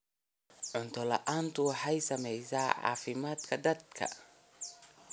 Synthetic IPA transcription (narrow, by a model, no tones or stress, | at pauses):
ʕʊnt̪ʰɔlɐ̰ʔaːnt̪ʰʊwɑħɑjsɐmɛjsaːʕɑ̰ːfɪmaːd̪kʰɐd̪ɐd̪kʰɐ̰